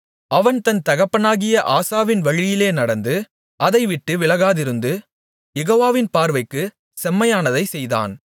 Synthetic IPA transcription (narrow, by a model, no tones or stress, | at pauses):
ɐʋɐnt̪ɐnt̪ɐɣɐpːɐnaːɣɪjɐʔaːsaːʋɪnʋɐɻɪjɪleːnɐɽɐnd̪ɯ | ʔɐðɐɪʋɪʈːɯʋɪɭɐɣaːðɪɾɯnd̪ɯ | jɛɣoːʋaːʋɪnpaːɾʋɐɪkːɯ | sɛmːɐjaːnɐðɐɪsɛjða̰ːn